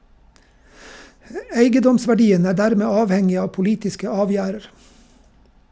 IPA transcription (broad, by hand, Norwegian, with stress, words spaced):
ə ˈeɪɡəˌdɔmsʋæˌɖiːən ˈæː ˈdæɾmeː ˈɑːʋˌhɛŋɪ ˈɑː pʊˈliːtɪskə ˈɑːˌʋjæːɾəɾ